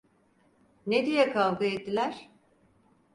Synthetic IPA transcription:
ned̪ijɛkʰalˠɡaɛt̪ːilʲæɾ̝̥

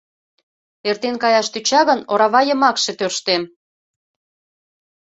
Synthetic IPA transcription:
ert̪enkɑjɑʃt̪yt͡ɕɑɣənoɾɑβɑjə̆mɑkʃe̽t̪ørʃt̪em

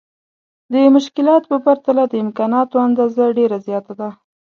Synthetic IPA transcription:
d̪əmʊʃkɪlɑt̪pəpaɾt̪alad̪əɪmkɑnɑt̪oand̪ɑzaɖeɾazjɑt̪ad̪a

